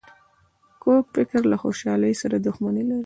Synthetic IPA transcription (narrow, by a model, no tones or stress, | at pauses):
kokfɪkɾlaxoʃɑləjsaɾad̪ʊxmanelaɾi